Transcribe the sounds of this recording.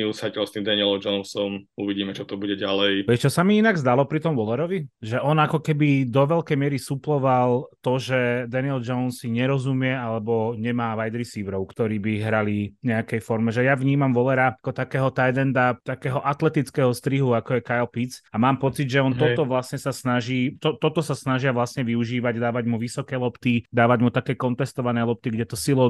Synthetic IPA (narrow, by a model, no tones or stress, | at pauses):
iusacɛlst̪imd̪anilɔmd͡ʒɔʊnsɔmuʋiɟiːmɛt͡ʃɔt̪ɔbuɟɛɟalɛjʋɛt͡ʃɔsamiinaɡzd̪alɔpɾit̪ɔmʋɔlɛɾɔʋiʒɛʔɔnakɔkɛbid̪ɔʋɛʎkɛjmɪɛɾisuplɔʋalˠt̪ɔʒɛd̪aniɛld͡ʒɔʊnsiɲɛɾɔzumɪɛalɛbɔɲɛmaːʋajd̪ɾisiːʋɾɔʊkt̪ɔɾiːbiɦɾaliɲɛakɛjfɔɾmɛʒɛjaʋɲiːmamʋɔlɛɾakɔt̪akɛːɦɔt̪ajd̪ɛnd̪at̪akɛːɦɔʔat̪lɛt̪it͡skɛːɦɔst̪ɾiɦuakɔjɛkajlpit͡samaːmpɔt͡siɟʒɛɔnt̪ɔt̪ɔʋlasɲɛsasnaʒiːt̪ɔt̪ɔt̪ɔsasnaʒɪaʋlasɲɛʋiuʒiːʋaɟd̪aːʋaɟmuʋisɔkɛːlɔpt̪id̪aːʋaɟmut̪akɛːkɔnt̪ɛst̪ɔʋanɛjlˠɔp̚t̪iɡɟɛt̪ɔsilɔ